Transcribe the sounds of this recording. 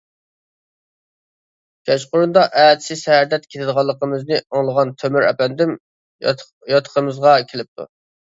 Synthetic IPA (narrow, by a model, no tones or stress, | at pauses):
kʲɛt͡ʃqʊɾund̪ɑʔɛːt̪sɪsɛɾd̪ɛt̪kʲet̪ɪd̪əʁɑlˠːəqəmɨznɨoŋlˠəʁɑnt̪ʰømyɾɛ̰pɛnd̪ɪm | jɑt̪ʰə̥qʰəmɨzʁɑkʲʰelɪp̚t̪ʰṵ